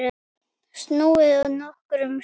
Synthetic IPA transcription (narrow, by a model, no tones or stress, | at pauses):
st̪nuːɪðaðnɔhkɾʏm